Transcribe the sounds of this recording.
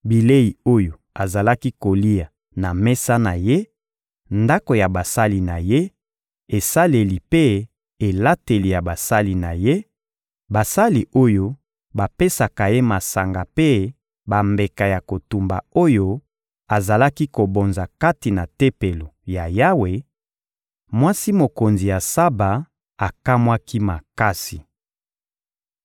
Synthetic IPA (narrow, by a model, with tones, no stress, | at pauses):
bi˨le˦ji˨o˦jo˨ | a˨za˨la˦ki˦ko˨li˦a˨ | na˨mɛ˦sa˦na˨je˦ | nda˦ko˨ja˨ba˨sa˦li˨na˨je˦ | e˨sa˦le˨li˨pe˦ | e˨la˦te˨li˨ja˨ba˨sa˦li˨na˨je˦ | ba˨sa˦li˨o˦jo˦ | ba˨pe˦sa˨ka˨je˦ma˨sa˨ŋɡa˨pe˦ | ba˨mbe˨ka˨ja˨ko˨tu˨mba̰˨o˦jo˦ | a˨za˨la˦ki˦ko˨bo˨nza˨ka˦ti˨na˨te˦pe˨lo˨ja˨ja˦we˨ | mwa˦si˦mo˨ko˨nzi˨ja˨sa˦ba˨ | a˨ka˦mwa˦ki˦ma˨ka˦si˨